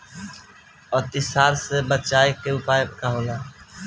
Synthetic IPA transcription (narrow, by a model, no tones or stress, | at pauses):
ɔːt̪ɪsaːɾsebət͡ʃaːekːeʊpaːjekaɦoːlaː